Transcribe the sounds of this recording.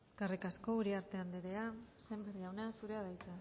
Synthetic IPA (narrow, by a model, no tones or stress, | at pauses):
eskarikasko̞uɾiaɾt̪e̞and̪eɾeasejmberiʝawnasuɾe̞aðajt͡sa